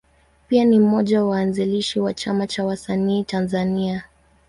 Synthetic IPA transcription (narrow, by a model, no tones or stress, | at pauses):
pianim̩mɔʄawaːnziliʃiwat͡ʃamat͡ʃawasaniːtanzania